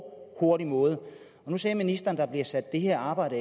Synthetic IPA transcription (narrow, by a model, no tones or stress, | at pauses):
kʰo̝ɐɾ̥imɔ̽ːð̞̩ˠə | ɒ̽nusɛːɐminisd̥ɐːn̩d̥ɑ̈b̥liɐsæd̥ːe̝ɦeɐ̰ɑ̈ːb̥ɑ̈ɪ̰ɾə